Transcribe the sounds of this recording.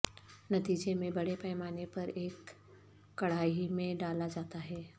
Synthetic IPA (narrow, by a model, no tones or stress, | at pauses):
nɐt̪iːd͡ʒemẽbɐɽepɛːmaːnepɐɾeːkː | ɐɽ̤aːimẽɖaːlad͡ʒaːt̪aɦɛː